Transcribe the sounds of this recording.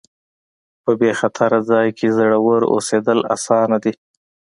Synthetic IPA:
pəbexat̪ʰaɾad͡zɑjkʰezəɽawəɾo̰sed̪əla̰sɑnad̪i

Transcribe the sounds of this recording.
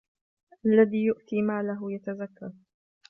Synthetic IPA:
ʔʔalːaðiːjʊʔt̪iːmaːlaɦʊjat̪azakːa

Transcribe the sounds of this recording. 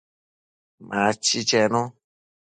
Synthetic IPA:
mat͡ʃit͡ʃɛnɔ̃

